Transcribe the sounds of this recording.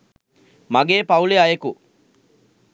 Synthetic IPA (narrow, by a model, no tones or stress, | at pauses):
maɡeːpɐuleajeku